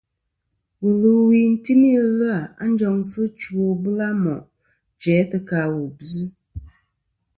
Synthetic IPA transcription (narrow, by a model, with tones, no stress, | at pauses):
wɨ˨lɨ˨wi˨n̩˦ti˦ni˦lɨ˦a˨a̰˦n̩˦d͡ʒɔ˧ŋsɨ˦t͡ʃu˨o˦bɨ˦la˦mɔ˨ʔ | d͡ʒɛ˨˦tɨ˧ka˨wu˨bzɨ˦